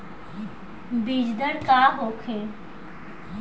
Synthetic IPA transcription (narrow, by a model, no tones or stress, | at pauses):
biːd͡ʒd̪əɾkaːɦokʰe